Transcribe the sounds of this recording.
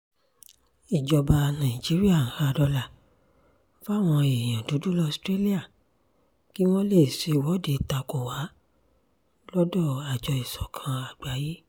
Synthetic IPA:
i˨d͡ʒɔ˨ba˧nã˨d͡ʒi˨˦ɾi˦a˦˨˦ha˨˧dɔ˧la˨ | fa˦˨w̃ɔ̃˧e˨j̃ã˨du˨˦du˦lɔ˦˧stɾe˦li˦a˦˨ | ki˦w̃ɔ̃˦le˦˨si˨˧˨wɔ˨˦˨de˨˦ta˧ko˨wa˨˦ | lɔ˦dɔ˦˨a˨d͡ʒɔ˧i˨sɔ˨˦kʰã˧a˨dwa˨˦ji˦

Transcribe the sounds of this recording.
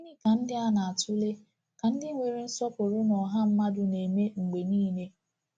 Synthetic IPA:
i˦ni˦ka˨n̩˦dɪ˦a˦na˨a˨tʰʊ˦le˦ | ka˨n̩˦dɪ˦ŋʷe˨ɾi˨n̩˦sɔ˦pʊ˨ɾʊ˦nɔ˨ɦa˦m̩˦ma˦dʊ˦ne˨me˦ŋ̩˨ɡ͡be˨niː˦ne˦

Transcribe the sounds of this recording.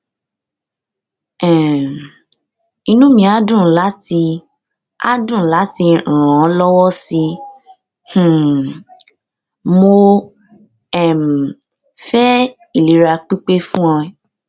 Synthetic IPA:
ɛ̃˨ | i˧nũ˦mĩ˧a˦dũ˦˨˦la˨˦ti˧ | a̰˦dũ˦˨la˨˦ti˧ɾã˨ɾ̃ɔ̃˨˦lɔ˦wɔ˦si˧ | h̩˨ | mo˧ | ɛ˦˨m̩˨ | fɛ˦ | i˦˨li˨˦ɾa˧k͡pi˦k͡pe˦fũ˦ɔ̃˧ɛ˦

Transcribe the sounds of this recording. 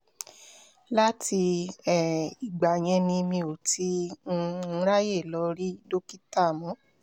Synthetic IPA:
la˦ti˧ɛ˨i˨ɡ͡ba˨j̃ɛ̃˧nĩ˧mĩ˧o˨ti˨˦˧ | ɾa˦je˦˨lɔ˧˦ɾi˦do˦ki˦ta˦˨mɔ̃˨˦

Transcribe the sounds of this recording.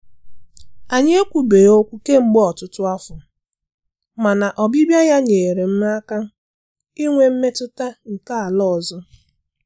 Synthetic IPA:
a˨ɲ˦e˦kʷu˨be˨jo˦kʷu˦ke˦ŋ͡m̩˦ɡ͡bɔ˦ɔ˨tʊ˦tʊ˦a˦fʊ˨ | ma˨na˨ʔɔ˨bi˦bja˦ja˦ɲe˨ɾe˨m̩˦m˦a˦ka˦ | i˦ŋʷe˦m̩˦me˦tʊ˦ta˦ŋ̩˨ka˦a˨lɔ˦˨zɔ˦

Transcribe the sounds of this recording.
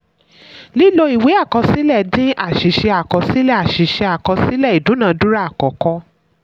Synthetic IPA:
li˦lo˧i˨we˨˦a˦˨kɔ˧si˦lɛ˦˨dĩ˦ʔa˦˨ʃi˨˦ʃɛ˧a˨kɔ˧si˦lɛ˦˨a˨ʃi˨˦ʃɛ˧a˨kɔ˧si˦lɛ˦˨i˨dũ˨˦nã˨˧˦du˦ɾa˦a˦˨kɔ˨kɔ˧

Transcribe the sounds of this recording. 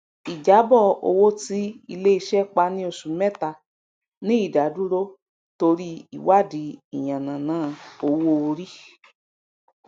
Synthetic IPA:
i˨d͡ʒa˨˦bɔ˦˨o̰˧wo˦ti˦i˧le˦i˧ʃɛ˦k͡pa˧nĩ˦o˧˨sũ˨mɛ˦ta˧˨ | nĩ˦i˦˨da˨du˦ɾo˦ | to˧ɾi˦ḭ˨wa˦˨di˨˦i˨j̃ã˨nã˨nãː˨˦o˧wo˦o˧ɾi˦

